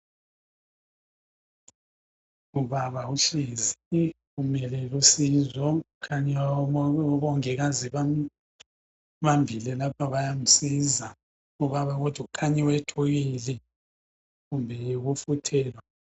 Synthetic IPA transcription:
uβaβauɬizi | ɣumɛlɛlusizɔukʰaɲɛ | βɔŋɛɣaziβa | βambʱilɛlapʰaβajam̩siza | uβaβaɣɔd̥ʱwuukʰaɲɛwɛtʰɔɣilɛ | ɣumbʱɛjeɣufutʰɛːlwa

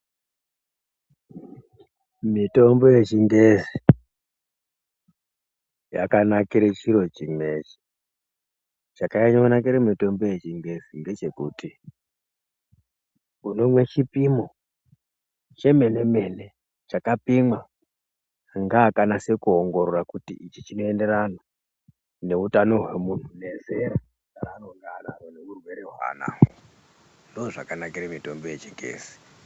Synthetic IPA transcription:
mito̞mbo̞je̞t͡ʃiŋɡezi | ja̰kanakiɾet͡ʃiɾo̞t͡ʃime̞t͡ʃi̥ | t͡ʃakajaɲaunak̬iɾemito̞mbo̞je̞t͡ʃiŋɡe̞zinde̞t͡ʃe̞kuti | unomwe̞t͡ʃipimo | t͡ʃe̞me̞ne̞me̞ne̞ | t͡ʃakapimwa | ŋɡaːkanase̞kuoŋɡo̞ɾorakutḭʔit͡ʃit͡ʃino̞e̞nde̞ɾana | ne̞utano̞ɦwe̞mun̤une̞zeɾa | aɾanoŋɡanaɾoneurwe̞ɾeɦwa̰ːna̰ | ndoːʐakanakiɾemito̞mbojet͡ʃiŋɡḛːz̥i̥

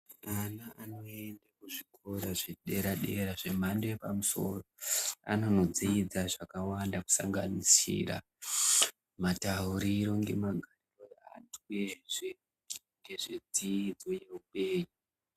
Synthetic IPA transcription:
anaʔano̞eendakuʐiko̞ɾaʐeɗe̞ɾaɗe̞ɾaʐe̞mandojepamuso̞̰roa̰no̞no̞d͡ziid͡zaʐakawandaku̥sa̰ŋɡanisḭːra̰ | matauɾiɾo̞ŋɡe̞̰maɡʱariro̞jaa̰tʰueʐe | ŋɡe̞ʐed͡ziid͡zo̞je̞uɓe̞ːɲu

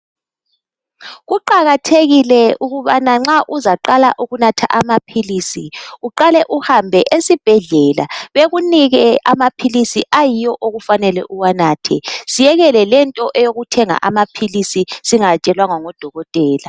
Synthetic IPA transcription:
ɣuǃaɣatʰeɣilɛʔuɣuβanaŋ͡ǁaʔuzaǃala̰ʔuɣunatʰa̰ʔamapʰiliːsiuǃalɛʔuhambʱɛʔesib̥ʱɛɮɛla̰βeɣuniɣɛʔamapʰilisiʔajijɔʔoɣufanɛlɛ̰ʔuwanaːtʰɛsijɛɣɛlɛlɛntʼɔʔɛjoɣutʰɛŋa̰ʔamapʰilisisiŋat͡ʃʼɛlwaŋaŋɔd̥ʱɔɣɔtʼɛːla

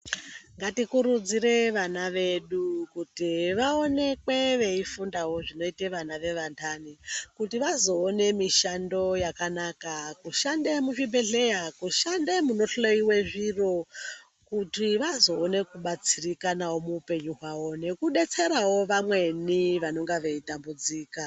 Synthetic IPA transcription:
ŋɡatikuɾud͡zire̞ʋanaʋe̞ɗukutiʋao̞ne̞kwe̞ʋe̞ifundawo̞ʐino̞iteʋanaʋe̞ʋantʰanikutiʋazo̞ːne̞miʃando̞jakanakakuʃandemufimbeɮe̞jakuʃandemuno̞ɬloiwe̞ʐiro̞ | kutiʋazo̞ːne̞kuɓat͡sirikanawo̞muupe̞ɲuɦwawo̞ne̞kuɗe̞t͡se̞ɾawo̞ʋamwe̞niʋano̞ŋɡaʋe̞itambud͡ziːka

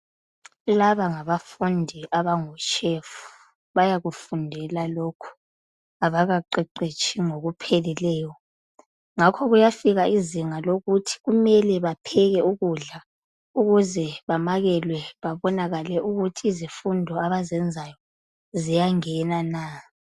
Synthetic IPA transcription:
laβaŋaβafundʱiʔaβaŋɔt͡ʃʼʰeːfu̥ | βajaɣufundʱɛlalokʰu̥ | aβaɣaǃɛǃet͡ʃʰʼiŋoɣupʰelilɛːjɔ | ŋakʰɔɣujafiɣaʔiziŋaloɣutʰi̥ɣumɛlɛβapʰɛɣɛuɣuɮa | uɣuzɛβamaɣɛlwɛβaβɔnaɣalɛʔuɣutʰiːzifundʱɔaβazɛnd͡zʱajɔ | zijaŋɛnana

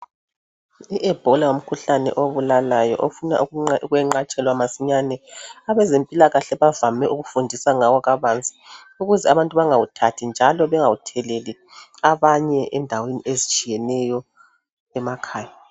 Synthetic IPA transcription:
iʔɛb̥ʱɔlaom̩kʰuɬanɛ̰ʔoβulalajɔ̰ʔofuna̰uɣwɛŋ͡ǃat͡ʃʼɛlwamasiɲanɛaβɛzempʼilaɣaɬɛβavamɛʔuɣufundʱisaŋawɔɣaβant͡sʼi̥ | uɣuzɛaβantʼuβaŋawutʰatʰind͡ʒʱalɔβɛŋawutʰɛleli | aβaɲɛʔɛndʱaweniʔezit͡ʃʼijɛnɛjɔ | ɛmakʰaːja

